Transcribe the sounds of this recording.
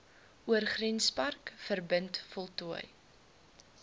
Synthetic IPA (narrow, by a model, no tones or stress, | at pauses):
uərχrinspɐrkfərbəntfɔlˠtuəj